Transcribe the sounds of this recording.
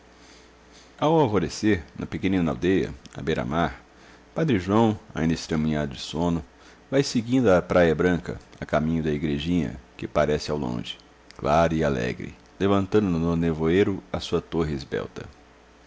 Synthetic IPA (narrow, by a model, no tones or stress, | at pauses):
awawvoɾeseɾnʔɐpekẽnĩna̰wd̪ejɐ̰ɐ̰bejɾa̰maɾ | pad̪ɾɪʒuɐ̃w̃a̰ĩnd̪ɐɪst̪ɾẽmĩɲad̪ʊd͡ʒɪsõnʊ | vajsɪɡĩnd̪ʊɐpɾʔajɐbɾɐ̃kɐ̰ɐkamĩɲʊd̪ɐiɡɾeʒĩɲɐ̰kɪpaɾɛsɪawlõ̰ʒɪ̥ | klaɾʊialɛ̰ɡɾɪ̰ | levɐ̃nt̪ɐ̃nd̪ʊnʊnonevoeɾʊɐsuɐt̪oɦɪezbɛ̰wt̪ɐ̰